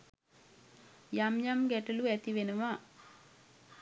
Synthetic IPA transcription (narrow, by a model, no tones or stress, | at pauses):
jamjɐmɡeʈɐluet̪iʋenɐʋa